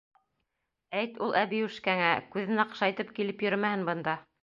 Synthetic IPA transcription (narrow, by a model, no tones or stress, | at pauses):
æjt̪ulˠʔæβiʉʃkæŋækʉðɘnɑqʃɑjt̪ɤpkilɘpjɵ̆ɾmæhɘnbɤ̆nd̪ɑ